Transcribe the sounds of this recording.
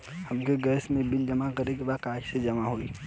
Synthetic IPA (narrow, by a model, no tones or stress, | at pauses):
həmkeɡɛːsmẽbɪld͡ʒəmakəɾek̬ebakaːʃsed͡ʒɐmaɦoiː